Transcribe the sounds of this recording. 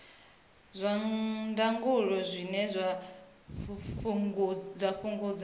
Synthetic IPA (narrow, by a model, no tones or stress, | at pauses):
zʷandaŋɡuɺɔzʷinɛzʷ | zʷaɸuŋɡud͡z